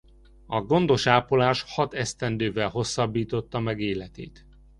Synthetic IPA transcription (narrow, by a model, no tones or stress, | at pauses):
ɒɡo̞nd̪o̞ʃaːpolaːʃhɒt̪ɛst̪ɛnd̪øːvɛlɦo̞sːɒbːiːt̪o̞t̪ːɒmɛɡeːlɛt̪ḛːt̪